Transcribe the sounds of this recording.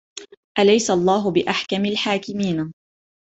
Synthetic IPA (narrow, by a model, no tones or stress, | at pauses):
ʔalajsaʔɑlˤːɑːɦʊbɪʔaħkamalħaːkɪmiːn